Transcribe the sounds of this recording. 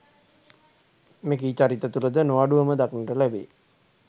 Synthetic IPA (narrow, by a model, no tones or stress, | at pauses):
mek̬iːt͡ʃaɾit̪ət̪uləd̪ənoʋaɖuʋəməd̪aknəʈəlæbḛ